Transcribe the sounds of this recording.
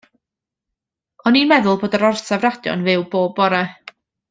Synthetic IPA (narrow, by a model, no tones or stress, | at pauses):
ɔninmɛðʊlˠboːdəɾɔrsɛvrad̥jɔ̰nvɨwboːbɔɾɛ